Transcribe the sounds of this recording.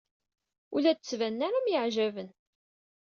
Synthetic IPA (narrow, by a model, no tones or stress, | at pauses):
ulæd̪t͡sːvænːaɾæmjəʕʒævən